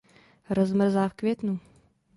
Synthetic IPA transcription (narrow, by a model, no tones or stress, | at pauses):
ɾɔzmɛɾzafkvʲet̪nu